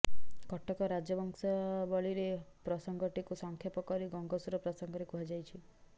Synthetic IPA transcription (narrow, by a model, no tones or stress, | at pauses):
kɔʈɔkɔɾad͡ʒjɔbɔŋsabɔɭiɾepɾɔsɔŋɡɔʈikusɔŋkʰjɔpɔkɔɾiɡɔŋɡɔsuɾɔpɾɔsɔŋɡɔɾikuɦad͡ʒajt͡ʃʰi